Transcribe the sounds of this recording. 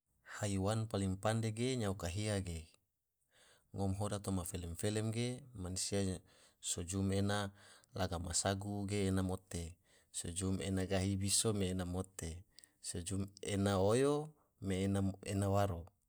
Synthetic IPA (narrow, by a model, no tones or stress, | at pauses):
haiwanpalimpandeɡeɲaukaɦiaɡe | ŋɔmɦodat̪omafelɛmfelɛmɡemanisia | sod͡ʒumenalaɡama̰saɡuɡeːnamot̪e | sod͡ʒumenaɡaɦibisomeːnamot̪e | sod͡ʒumenaojo | menaenawaɾo